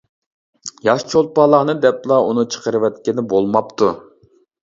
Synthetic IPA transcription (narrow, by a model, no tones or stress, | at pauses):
jɑʃt͡ʃʰol̚ˠpɑlˠɑnɨd̪ɛplˠɑunut͡ʃʰə̥qəɾɨwɛt̪̚kʲɪnɪbolˠmɑpt̪ʰu